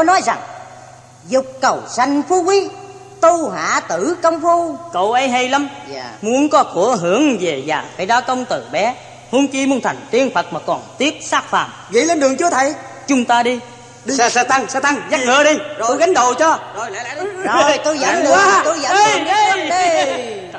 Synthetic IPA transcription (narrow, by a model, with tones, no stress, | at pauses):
t̪o˧˦jnɔ˨˦jza˨˩ŋ | zʊ˨˩k͡p̚kə˨˩wsa˧ŋfu˧kwi˨˦ | t̪u˧ɦa̰ː˧˨t̪ɨ˧˩kə˧wŋ͡mfu˧kə˧˨wʔə˨˦jɦə˧jlə˨˦mː˧mu˨˦ənkɔ˨˦ku˧˩əɦɨ˧˩˥əŋve˨˩za̰ː˨˩faː˧˩˦jzaː˨˦kə˧wŋ͡mt̪ɨ˨˩ɓɛ˨˦ | hu˨˦ənki˧mu˨˦ənt̪ʰa˨˩jŋ̟t̪i˨˧ənfʰə˨˩t̚maː˨˩kɔ˨˩nt̪i˦˥əp̚saː˦˥k̚fa̰ː˨˩m | ŋḭ˧˥le˧nɗɨ˨˩əŋt͡ɕɨ˨˦ət̪ʰə˨˩jt͡ɕʊ˨˦ŋ͡mt̪aː˧ɗi˧ | ɗi˧saː˧t̪a˧ŋsaː˧t̪a˧ŋza˦˥ŋəː˧˦ɗi˧zɣa˨˦jŋ̟ɗo̰˧˨t͡ɕɔ˧zo˨˩jjt̪u˧zə̰˧˨˦ɗɨ˨˧˨t̪u˧zə˧˦˨ə˧˦i˧